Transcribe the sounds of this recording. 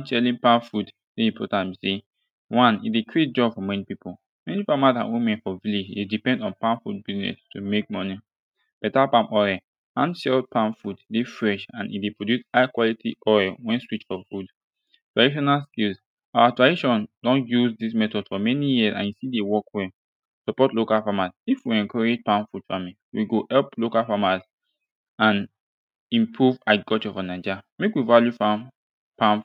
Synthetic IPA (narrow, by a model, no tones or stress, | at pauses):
nt͡ʃɛlĩnpãnfud | seĩmpʰɔ̰tãnmise | wãnḭtdekɹet̚d͡ʒɔbfɔmɛnipipʰol | mɛnipamadã̰nwimɛ̃nfɔvilid͡ʒdedipɛ̃ndɔ̃npãnfṵd̚biznɛ̰stʰumek̚mɔni | b̥ɛtapãmɔɛ | ãnʃɛl̚pʰãmfuddefɹɛʃã̰nʔḭdepɹodjusaɪkwalitʰiʔɔɹɛwɛ̃nswit͡ʃfɔfud | tɹadiʃ̬ɔnalskils | aatɹadiʃɔ̃ndɔ̃njuzdismɛtɔd̥fɔmɛnijiəsã̰njusidewɔkwɛ̃ | sɔpɔtlokalfamasifwiɛ̃nkʰɔɹed͡ʒpãnfud̥famĩ | wiɡoʔɛlplokalfamas | ãn | ĩmpʰɹuvaɪɡɔt͡ʃɔvanad͡ʒamekwivaljufãn | pãn